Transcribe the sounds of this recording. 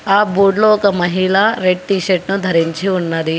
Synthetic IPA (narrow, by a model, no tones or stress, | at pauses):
aːbuːɖloːɔkɐmɐɦiɭaːɾeʈ̚ʈiːʃeʈnud̪ʱɐɾiɲt͡ʃiunːɐɾi